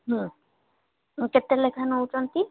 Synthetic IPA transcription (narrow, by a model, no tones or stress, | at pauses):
ɦũ | ket̪ːelekʰanowt͡ʃont̪i